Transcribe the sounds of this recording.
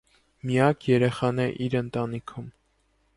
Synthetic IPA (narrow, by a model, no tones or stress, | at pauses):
mijɑkʰjɛɾɛχɑnɛʔiɾənt̪ɑnikʰum